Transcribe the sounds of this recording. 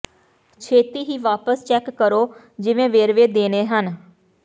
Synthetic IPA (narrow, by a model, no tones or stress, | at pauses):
t͡ʃʰeːt̪iːɦiːʋaːpəst͡ʃɛːkːəɾoː | d͡ʒɪʋẽːʋeːɾʋeːd̪eːneːɦən